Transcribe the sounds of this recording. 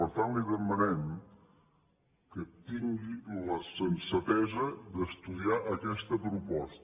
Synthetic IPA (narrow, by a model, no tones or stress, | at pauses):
əɾt̪anliðəmənɛm | kət̪iŋɡiləsənsət̪ɛzəd̪əst̪uðiaʔəkɛst̪əpɾupɔst̪